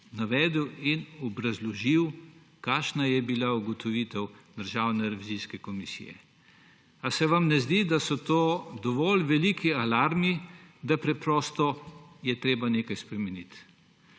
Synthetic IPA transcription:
naʋɛːd̪əwinɔbɾazlɔʒiw | kaːʃnajɛbilauɡɔt̪ɔʋiːt̪ɛwd̪əɾʒaːwnɛɾɛʋiziskɛkɔmisḭjɛ̰ | asɛʋamnɛzd̪id̪asɔt̪oːd̪ɔʋɔlʋɛliːkialaːɾmid̪apɾɛpɾɔːst̪ɔjɛt̪ɾeːbaneːkajspɾɛmɛnit̪

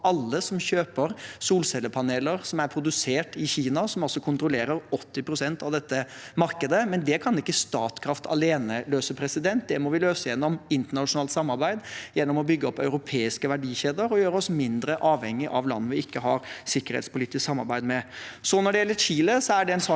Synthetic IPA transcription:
ɑlːəsɔmçøːpəɾsuːlsɛlːəpʰɑneːləɾsɔmæɾpʰɾʊd̪ʉseːʈɪçiːnɑsɔmɔsːɔkʰʊnt̪ɾʊleːɾəɾɔt̪ːɪpʰɾʊsɛnt̪ɑʋd̪ɛt̪ːə | mɑɾkəd̪əmɛnd̪ɛkʰɑnɪkːəst̪ɑːt̪kʰɾɑft̪ʰɑ̰leːnəløːsəpʰɾɛsɪd̪ɛnt̪̚d̪ɛmɔʋɪløːsəjɛnːɔmɪnt̪əɳɑʂʊnɑːlt̪sɑmːɑɾbæɪd̪jɛnːɔmɔbʏɡːəɔpːœʉɾʊpʰeːɪskəʋæɖiːçeːd̪əɾɔjøːɾəɔsmɪnd̪ɾəʔɑːʋhɛŋːɪʔɑʋlɑ̰nːəʋɪɪkːəɦɑ̰ɾsɪkːəɾhḛːt̪spʰʊliːt̪ɪsksɑmːɑ̰ɾbæɪd̪mɛsɔnɔɖɛjɛlːəçiːləsɔæɖɛɛnsɑː

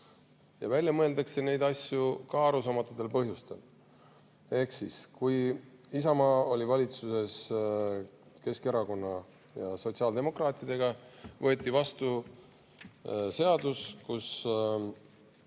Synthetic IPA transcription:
jɑ̰vælʲjɑmɤe̞ld̪ɑkse̞ne̞jd̪ɑsʲjukɑːɾusɑmɑt̪ːˑut̪ːe̞lpɤɦjust̪e̞̰l | e̞hksiskujisɑmɑːo̞lʲivɑlʲit̪suse̞s | ke̞ske̞ɾɑko̞nːɑ | jɑso̞tsiɑːld̪̥emo̞krɑːt̪ˑid̪̥e̞ɡ̥ɑvɤ̞et̪ʲːˑivɑst̪u | se̞ɑd̪̥uskus

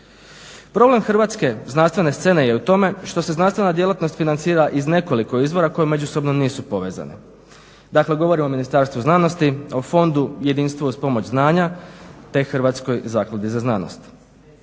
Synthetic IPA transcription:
pɾo̞ble̞mxr̩ʋat̪ske̞znanst̪ʋe̞ne̞st̪e̞ne̞je̞ut̪o̞me̞ʃt̪o̞se̞znanst̪ʋe̞nad̪je̞lˠat̪no̞st̪finant̪siːɾaʔizne̞ko̞liko̞izʋo̞ɾako̞jeme̞d͡ʑuso̞bnoniːsupo̞ʋe̞̰za̰nḛ | d̪akle̞ɡo̞ʋo̞ɾimo̞minist̪aːɾst̪ʋuznaːno̞st̪io̞fo̞nd̪uje̞d̪inst̪ʋuuspo̞mo̞t͡ɕznaːɲat̪e̞xrʋat̪sko̞jzaːklˠad̪izaznaːno̰st̪

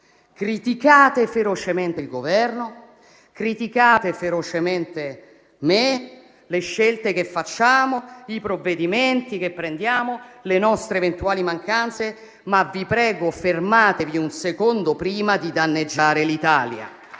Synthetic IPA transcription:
kɾit̪ikaːt̪efeɾot͡ʃement̪eilɡovɛrno | kɾit̪ikaːt̪efeɾot͡ʃement̪e | me | leʃːelt̪ekefːat͡ʃːaːmoipɾovːed̪iment̪ikepːɾend̪jaːmolenɔst̪ɾeːvent̪uaːlimaŋkant̪se | mavipɾɛːɡofermaːt̪eviunsekond̪opɾiːmad̪id̪anːed͡ʒːaːɾelit̪aːlja̰

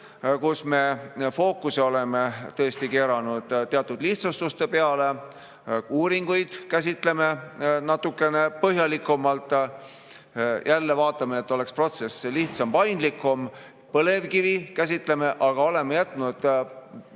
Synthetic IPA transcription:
kusme̞fo̞ːkuseo̞le̞me̞t̪ːɤest̪ike̞ːɾɑnud̪̥t̪ːeɑt̪ːˑud̪liht̪sust̪ust̪e̞pe̞ɑle̞ | uːɾiŋɡ̥ujd̪̥kæs̬ʲit̪ˑle̞me̞nɑt̪ːukːˑe̞ne̞pɤɦjɑlikːumɑlt̪ˑ | jʔælːe̞vɑːt̪ˑːɑmeːt̪ːˑo̞le̞kspro̞t̪se̞sliht̪sɑmpɑjnd̪likːˑum | pɤle̞vkivikæs̬ʲit̪ˑle̞me̞ʔɑɡ̥ɑo̞le̞me̞jæt̪ːˑnud̪̥

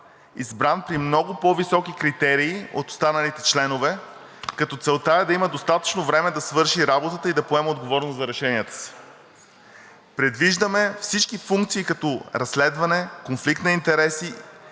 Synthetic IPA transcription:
izbɾanpɾimnɔɡʊpɔvisɔkikɾit̪ɛɾiːo̰t̪o̥st̪anɐlit̪ɛt͡ʃlɛnovɛ | kɐt̪ɔt̪sɛlˠt̪aɛd̪ɐiməd̪ost̪at̪ə̥t͡ʃnovɾɛmɛd̪ɐsvɤɾʃiɾabot̪ət̪əid̪ɐpoɛmɛod̪ɡovɔɾnoszɐɾɛʃɛniət̪ə̥si̥ | pɾɛd̪viʒd̪əmɛfsit͡ʃkifuŋkt̪siːkɐt̪ɔɾɐsːlɛd̪vɐnɛkonflik̚t̪nɐint̪ɛɾɛsi

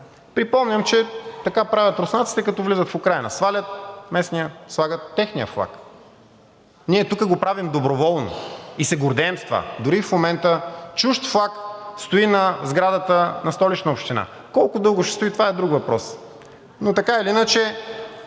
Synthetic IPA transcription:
pɾipɔmɲʲəmt͡ʃɛt̪ɐkapɾavʲjət̪ɾʊsnat̪si̥t̪ɛkɐt̪ɔvlizət̪fʊkɾajnə̰svalʲət̪̚mɛsnijəslˠaɡət̪ːɛxnijə̰flˠa̰k | niɛt̪ukəɡopɾavimd̪obɾovɔlˠno̰isɛɡʊɾd̪ɛːmst̪va̰d̪ʊɾifmomɛnt̪ət͡ʃuʃt̪flˠakst̪oinɐzɡɾad̪ət̪ənɐst̪ɔlit͡ʃnəopʃt̪ina̰ | kɔlˠkʊd̪ɤlˠɡʊʃɛ̥st̪ʊit̪ovaɛd̪ɾukvɐpɾɔs | not̪ɐkailiinət͡ʃɛ

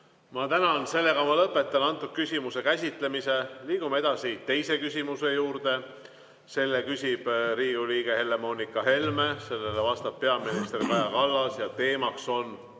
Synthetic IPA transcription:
mɑt̪ænɑnse̞lːe̞kɑmɑlɤpːˑe̞t̪ːˑɑnɑnt̪ːˑut̪̚kysʲimuse̞kæs̬ʲit̪ˑle̞mise̞liːɡ̥umee̞d̪̥ɑsit̪e̞jse̞kysʲimuse̞juːrd̪e̞ | se̞lːekysʲib̥riːɡuliːɡe̞he̞lːe̞mo̞ːnikːˑɑɦe̞lme̞se̞lːe̞levɑst̪ɑppːe̞ɑminist̪erkɑjɑkɑlːɑsjɑt̪e̞ːmɑkso̞n

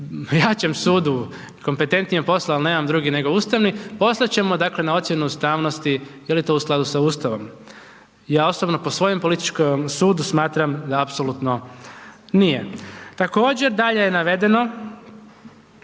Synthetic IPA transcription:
jaːt͡ɕe̞msuːd̪u | ko̞mpe̞t̪e̞nt̪nijepo̞slaːlne̞ːmamd̪ɾuːɡine̞ɡo̞ust̪aʋnipo̞slˠat͡ɕe̞mod̪aːkle̞nao̞t̪sje̞nuust̪aːʋno̞st̪ijelit̪o̞usklˠad̪usauːst̪aʋo̞m | jaːo̞sobno̞po̞sʋo̞je̞mpo̞lit̪i̥t͡ʃkomsuːd̪usmaːt̪ɾamd̪aapso̞lˠut̪no̞ | nije̞t̪ako̞ːd͡ʑe̞ɾd̪aʎejenaʋe̞d̪e̞no̞

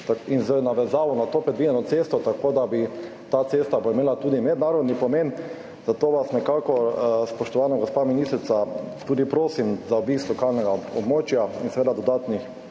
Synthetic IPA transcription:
t̪ainzɛnaʋɛzaːʋɔnat̪oːpɾɛd̪ʋijɛnɔt̪sest̪ɔt̪akoːd̪abi | t̪at̪sest̪aboimeːlat̪uːd̪imɛd̪naːɾɔd̪nipɔmen | zat̪oːʋasnɛkakɔspɔʃt̪ɔʋaːnɔɡospaminist̪ɾit̪sat̪uːd̪ipɾoːsimzaobiːslɔkalnɛɡaɔbmoːt͡ʃjaḭnsɛʋed̪ad̪ɔd̪aːt̪nix

